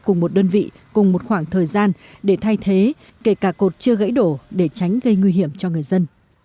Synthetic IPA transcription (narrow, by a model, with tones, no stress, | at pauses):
kʊ˨˩ŋ͡mmo˨˩t̚ɗəː˧nvḭ˧˨ | kʊ˨˩ŋ͡mmo˨˩t̚xwaː˧˩ŋt̪ʰəː˨˩jzaː˧n | ɗe˧˩t̪ʰa˧jt̪ʰe˨˦ | ke˧˩kaː˧˩ko˨˩t̚t͡ɕɨ˧əɣə̰˧˥jɗo˧˩ɗe˧˩t͡ɕa˨˦jŋ̟ɣə˧jŋwi˧ɦi˧˩əmt͡ɕɔ˧ŋɨ˨˩əjzə˧n